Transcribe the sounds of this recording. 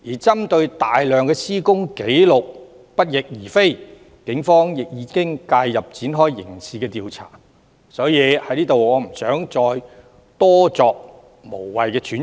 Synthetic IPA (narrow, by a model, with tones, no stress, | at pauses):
jiː˨˩t͡sɐ˥mt̪ɵ˧ɥt̪aː˨jlœː˨ŋkɛː˧siː˥kʊ˥ŋke˨˥jlʊ˨k̚ | pɐ˥t̚jɪ˨k̚jiː˨˩fe˥j | kɪ˨˥ŋfɔː˥ŋjɪ˨k̚jiː˨˧˥kɪ˥ŋkaː˧jːɐ˨p̚t͡siː˨˥nɦɔː˥jːɪ̰˨˩ŋsiː˨˧kɛː˧t̪iː˨wt͡sʰa̰ː˨˩ | sɔː˨˥jiː˨˧hɐ˨˥jniː˥t̪o˨wɔː˨˧m̩˨˩sœː˨˥ŋt͡sɔː˧j | t̪ɔː˥t͡sɔː˨˧k̚ | mo˨˩wwɐ˨jkɛː˧t͡ʃʰyː˨˥n